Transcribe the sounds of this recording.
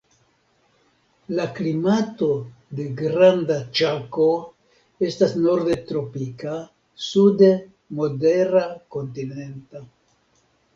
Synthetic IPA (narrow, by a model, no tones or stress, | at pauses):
laklimato̞de̞ɡɾandat͡ʃako̞ | e̞stasno̞ɾd̪e̞t̪ɾo̞pika | sude | mo̞de̞ɾako̞ntine̞nta